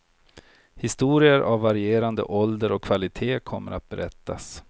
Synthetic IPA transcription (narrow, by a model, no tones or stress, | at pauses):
hɪst̪uːɾɪəɾʔavːaɾɪeːɾand̪ə̰ʔɔld̪əɾɔkʰːvalɪt̪ʰeːkʰɔmːəɾat̪̚bɛɾɛt̪ːa̰s